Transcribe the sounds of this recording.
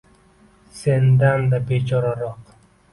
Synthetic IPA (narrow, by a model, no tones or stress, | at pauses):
se̞nd̪and̪abet͡ʃʰɒɾaɾɒq